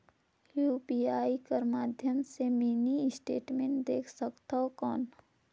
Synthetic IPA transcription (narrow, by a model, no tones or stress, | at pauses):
juːpiːaːikəɾmaːd̪ʱjəmsemiːniɪsʈḛːʈmẽɳʈd̪eːkʰsəkt̪aɦokɔːn